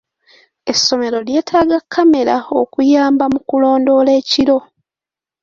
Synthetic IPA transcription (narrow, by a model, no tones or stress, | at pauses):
e̞sːo̞me̞ɾo̞lje̞ːtʰaːɡakʰːame̞lao̰kujaːmbamukulo̞ːndo̞le̞ːciɾo̞